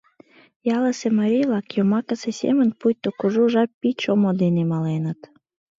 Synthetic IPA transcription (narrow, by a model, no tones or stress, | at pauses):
jɑləsemɑɾʲivlɑkjomɑkəsesʲḛmə̆npujt̪ːokuʒuʒɑpit͡ɕomod̪enemɑlenət̪